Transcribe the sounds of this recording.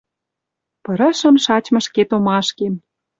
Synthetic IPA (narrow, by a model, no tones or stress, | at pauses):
pɤ̆ɾə̆ʃə̆mʃɑt͡ɕmɤ̆ʃket̪omɑʃkem